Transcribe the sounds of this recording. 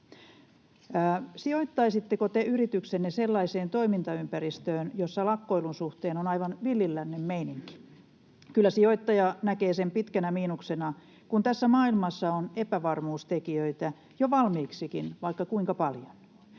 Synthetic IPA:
æːsioit̪ːɑisit̪ːekot̪eyrit̪yksenːeselːɑiseːnt̪o̞imint̪ɑympæɾist̪øːnjosːɑlɑkːoilunsuht̪eːnonɑiʋɑnʋilːilːænːemmeiniŋki̥ | kylːˑæsioit̪ːɑjɑnækeːsempit̪kænæmiːnuksenɑ | kunt̪æsːæmɑːilmɑsːɑonepæʋɑrmuːst̪ekiøit̪æ | joʋɑlmiːksikinʋɑikːɑkuiŋkɑpɑljon

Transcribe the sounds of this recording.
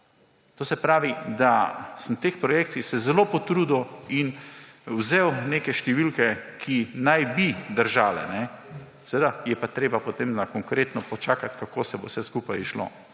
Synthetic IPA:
t̪oːsɛpɾaːʋid̪asəmt̪eːxpɾɔjeːkt̪t͡s̪ixsɛzɛlopɔt̪ɾuːd̪oinwzeːwneːkɛʃt̪ɛʋilkɛkʰinajbid̪əɾʒaːlɛ̰nɛ | sɛʋed̪ajɛpat̪ɾeːbapot̪emnakɔŋkɾeːt̪nɔpɔt͡ʃaːkat̪kakoːsɛbowsɛskuːpajiʃlo̰ː

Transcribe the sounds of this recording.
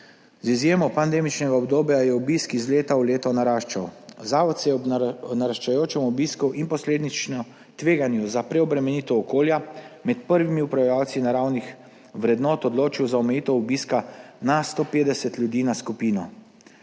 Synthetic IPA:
zizjeːmɔpand̪eːmit͡ʃnɛɡaɔbd̪oːbjajɛubiskizleːt̪awleːt̪ɔnaɾaːʃt͡ʃa̰wzaːʋɔt̪sɛjɛnaɾaʃt͡ʃajoːt͡ʃɛmɔbiskɔwʔinpɔsleːd̪nit͡ʃnɔ | t̪ʋeːɡanjɔzapɾɛɔbɾɛmɛniːt̪ɔːkoːljamɛt̪pəɾʋimiupɾajawt̪sinaɾawnix | ʋɾɛd̪nɔːt̪ɔd̪loːt͡ʃiwzaɔmɛjiːt̪ɛubiskanast̪opeːd̪ɛsɛt̪ljud̪iːnaskupiːnɔ

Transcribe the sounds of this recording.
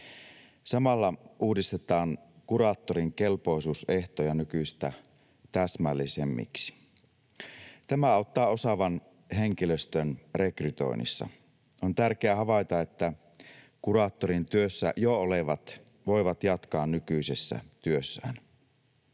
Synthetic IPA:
sɑmɑlːɑʔuːdist̪et̪ɑːŋkurɑːt̪ːoɾiŋke̞lpo̞isuːse̞ht̪ojɑnykyst̪æ | t̪æsmælːisemːḭksi̥ | t̪æmæɑˑut̪ːɑːo̞sɑʋɑn | ɦe̞ŋkiløst̪ønre̞kryt̪o̞̰ḭnḭsːɑ̰ | ont̪ærkeæɦɑʋɑjt̪ɑe̞t̪ːæ | kurɑːt̪ːoɾint̪yøsːæ̰jooleʋɑt̪ | ʋo̞iʋɑt̪jɑt̪kɑːnnykysesːæ̰t̪yøsːæ̰ːn

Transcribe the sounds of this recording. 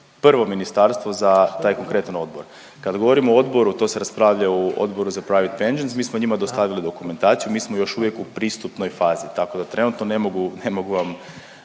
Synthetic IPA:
pr̩ʋo̞minist̪aɾst̪ʋo̞zat̪aːjko̞ŋkɾe̞t̪ano̞d̪boɾ | kad̪ɡo̞ʋo̞ɾimood̪bo̞ɾut̪o̞se̞ɾaspɾaːʋʎauo̰d̪bo̞ɾuzapɾajʋet̪pend͡ʒensmiːsmoɲimad̪o̞st̪aʋilid̪o̞kume̞nt̪aːt̪sijumiːsmo̞jo̞ʃuʋjekupɾiːst̪upno̞jfaːzit̪ako̞d̪at̪ɾe̞nuːt̪no̞ne̞moɡune̞mo̞ɡuʋam

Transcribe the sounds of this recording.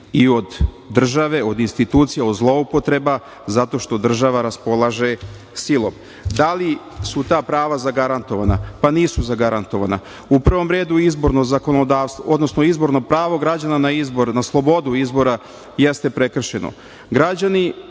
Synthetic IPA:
io̞d̪ː | r̩ʒaʋe̞o̞d̪inst̪it̪uːt̪sijeod̪zlˠo̞upo̞t̪ɾe̞ba | zat̪o̞ʃt̪o̞d̪r̩ʒaʋaɾaspo̞lˠaʒe | silˠo̞m | d̪ali | sut̪aːpɾaːʋazaɡaɾant̪o̞ʋana̰paniːsuzaɡaɾant̪o̞ʋa̰na̰ | upr̩ʋo̞mɾe̞ːd̪uizbo̞ɾno̞zako̞nod̪aːʋst̪ʋoʔod̪no̞snoizbo̞ɾno̞pɾaːʋo̞ɡɾad͡ʑananaizboɾnaslˠo̞bo̞d̪uizbo̞ɾa | jest̪e̞pɾe̞kr̩ʃe̞no̰ | ɡɾad͡ʑani

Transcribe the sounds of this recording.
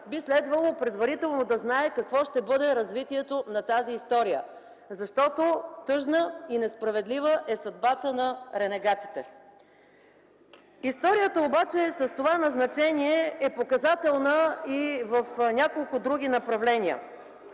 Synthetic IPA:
bislɛd̪vəlˠopɾɛd̪vɐɾit̪ɛlˠnod̪ɐznaɛkɐkvɔʃt̪ɛbɤd̪ɛɾɐzvit̪iɛt̪onɐt̪aziːst̪ɔɾijə̰ | zɐʃt̪ɔt̪ot̪ɤʒnəinɛspɾɐvɛd̪livəʔɛsɐd̪̚bat̪ənɐɾɛnɛɡat̪i̥t̪ɛ | ist̪ɔɾijət̪əobat͡ʃɛsəst̪ovanɐznɐt͡ʃɛniɛɛpokɐzat̪ɛlˠnəivɐfnʲakolˠkʊd̪ɾuɡ̟ʲinɐpɾɐvlɛniə̰

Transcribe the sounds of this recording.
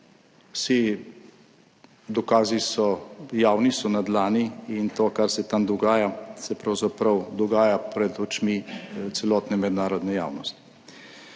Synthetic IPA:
wsi | d̪ɔkaːzisɔjaːwnisɔnad̪laːniint̪oːkaɾsɛt̪amd̪ɔɡaːjasɛpɾɐwzapɾɐwd̪ɔɡaːjapɾɛd̪ɔt͡ʃmit̪sɛlɔːt̪nɛmɛd̪naːɾɔd̪nɛja̰ːwnɔst̪i̥

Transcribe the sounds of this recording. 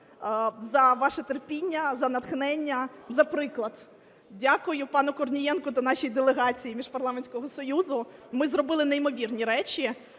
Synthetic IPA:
zɐʋɑʃɛt̪erpʲinʲːɐzɐnɐt̪xnɛnʲːɐzɐpɾɪklˠɐd̪ | dʲakʊjʊpɑnʊkɔrnʲijɛnkʊt̪ɐnɑʃijid̪elˠeɦɑt͡sʲijimʲiʒpɐrlˠɑmenʲsʲkɔɦɔsɔjuzʊmɪzrɔbɪlˠɪneimɔʋʲirnʲiɾɛt͡ʃʲi

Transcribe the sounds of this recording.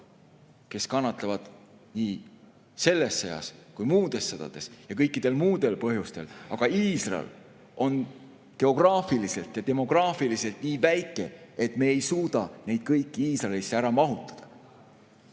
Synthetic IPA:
ke̞skɑnːɑt̪ˑlɑvɑd̪̥ | niː | se̞lːesːejɑ̰skujmuːd̪̥e̞sːɤd̪̥ɑ̰d̪̥e̞sjɑkɤjkːˑid̪̥e̞lmuːd̪e̞lpɤɦjust̪e̞lɑɡ̥ɑiːsrɑ̰ḛl | ʔo̞n | ke̞o̞ɡ̥rɑːfilise̞lt̪jɑt̪e̞mo̞ɡ̥rɑːfilise̞lt̪niːvæjkːˑe̞̰et̪ːˑme̞ejsuːd̪̥ɑne̞jd̪̥kɤjkːiiːsrɑelisːeæɾɑmɑɦut̪ːˑɑ̥d̪̥ɑ̥

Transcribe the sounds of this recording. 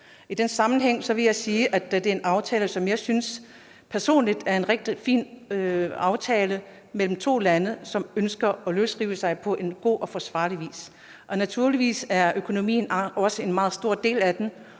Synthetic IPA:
id̥ensɑ̈mn̩ɦeŋ̰sɒ̽ʋe̝jɑ̈ɪsiːʔæd̥d̥e̝ɐe̝nɑ̈ʊt͡sʰɛːləsɒ̽mjɑ̈ɪsyns | pʰæɐso̝̰ːnlid̥æɐe̝nʁeɡ̥̚d̥ifḭːnøɑ̈ʊt͡sʰɛːlə | mel̰m̩t͡sʰo̝̰ːlænəsɒ̽mønsɡ̥ɐɒ̽løsʁiʊəsɑ̈ɪpʰɒ̽ʔe̝nɡ̥o̝̰ːʔɒ̽fɒ̽sʋɑ̰̈ːliʋḭːs | ʔɒ̽næt͡sʰuɐ̰liʋḭːsæɐʔøkʰo̝no̝mḭːn̩ɒ̽səe̝nmɑ̈ːð̞̩ˠsd̥o̝ɐ̰d̥e̝̰ːlæd̥en

